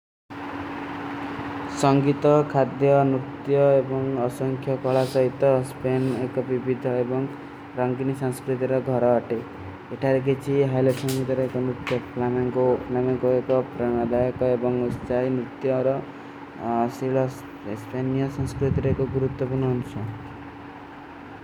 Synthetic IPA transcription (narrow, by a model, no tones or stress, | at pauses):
sɔŋɡit̪ɔkʰad̪jɔnɾut̪jɔebɔŋɔsɔŋkʰjɔkɔɭasɔɦit̪ɔspenekɔbibid̪ʱɔebɔŋ | ɾɔŋɡinisaŋskɾit̪̬iɾɔɡʱɔɾɔːʈe | eʈʰaɾekʰit͡ʃʰiɦajlɔsɔŋɡit̪ɔɾɔekɔmɾut̪jɔpʰlamaŋkoplamaŋkoekɔpɾɔnad̪ajɔkɔebɔŋust͡ʃajmɾut̪jɔɾɔ | siɭɔ | spanijɔsɔŋskɾut̪iɾɔekɔɡuɾut̪wɔpuɾnɔːnusɔ